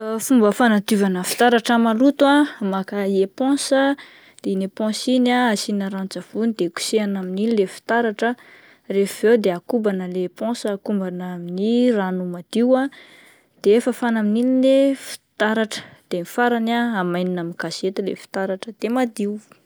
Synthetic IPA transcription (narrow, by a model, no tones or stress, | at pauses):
fumbəfanat̪ivanəfi̥t̪aɾaʈ͡ʂəmalut̪uamakaiepɔ̃sə | d̪̥enepɔ̃sinaasinaɾant͡sav̥unid̪̥eku̥seanamininilefi̥t̪aɾaʈ͡ʂə | refvewd̪eakubanəleːpɔ̃səːkumbanaminiranumad̪̥iwa | d̪̥eefəfanamininilefi̥t̪aɾaʈ͡ʂə̥d̪̥emifaɾanaamajninaminkaset̪ulḛfi̥t̪aɾaʈ͡ʂəd̪̥emad̪iw